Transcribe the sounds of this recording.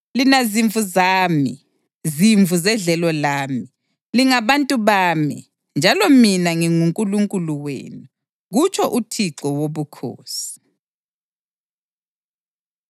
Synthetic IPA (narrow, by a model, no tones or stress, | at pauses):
linaziɱvʱuzaːmi | ziɱvʱuzɛɮɛlɔlaːmi | liŋaβantʼuβaːmḭ | nd͡ʒʱalɔminaŋiŋuŋkʼuluŋkʼuluwḛːnu | ɣut͡ʃʰʼɔʔutʰiǁɔwoβukʰo̰ːsi̥